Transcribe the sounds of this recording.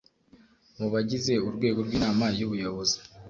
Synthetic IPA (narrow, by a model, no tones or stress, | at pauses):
muβaɟize̞uɾɡwe̞ːɡo̞ɾɡwiːnaːmaijuβujoβo̞zi̥